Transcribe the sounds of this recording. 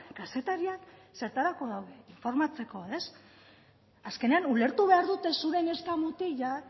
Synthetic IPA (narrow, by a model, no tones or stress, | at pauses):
kase̞t̪aɾiakse̞ɾt̪aɾako̞ðawðeiɱfo̞ɾmat͡se̞ko̞e̞s | aske̞ne̞anule̞ɾt̪uβe̞aɾðut̪e̞suɾe̞ne̞skamut̪iʝa